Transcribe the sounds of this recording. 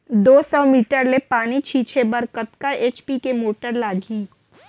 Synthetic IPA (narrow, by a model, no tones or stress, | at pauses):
d̪oːsɔmiːʈəɾlepaːñit͡ʃʰiːt͡ʃʰebəɾkət̪kaeːt͡ʃpikemoːʈəɾlaːɡʱiː